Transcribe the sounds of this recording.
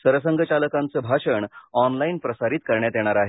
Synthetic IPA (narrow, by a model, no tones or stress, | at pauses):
səɾəsəŋɡʱət͡ɕaləkant͡səbʱaɕəɳɔnlainpɾəsaɾiːt̪̚kəɾɳjat̪eɽ̃aɾaɦe